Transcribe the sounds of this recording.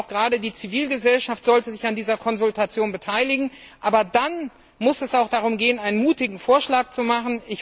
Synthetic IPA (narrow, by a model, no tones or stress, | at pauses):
ʊxɡ̥ʁaːdədiːt͡siviːlɡəzɛlʃaftz̥ɔltəzɪçandiːzɐkʰɔnzʊltat͡sjoːnbətʰaɪlɪɡŋ̩ʔaːbɐdan | mʊsɛsaʊxd̥aʁ̞ʊmɡeːənaɪnənmuːtɪɡŋ̩foːɐʃlaːk̚t͡sumaχn̩ɪç